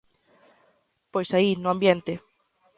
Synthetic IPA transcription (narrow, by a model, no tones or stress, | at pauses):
pojsainʊãmbjent̪ɪ